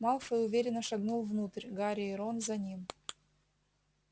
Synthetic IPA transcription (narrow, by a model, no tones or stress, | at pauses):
malˠfəʊvʲeɾʲɪnːəʂɐɡnulˠvnut̪əɾʲɡaɾʲɪɪɾonzɐnʲim